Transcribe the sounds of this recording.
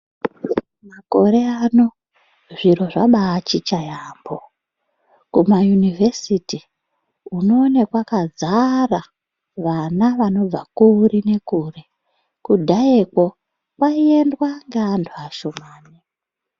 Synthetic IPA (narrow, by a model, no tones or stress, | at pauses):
mako̞ɾe̞ano̞ | ʐiɾo̞ʐaɓaːt͡ʃit͡ʃajaːmbo | kumajunivʱe̞siti | uno̞ːnekwakazara | ʋanaʋano̞b͡vakuɾine̞kuːre̞ | kudʱaekwo | kwaie̞ndwaŋɡeːnduaʃomaːni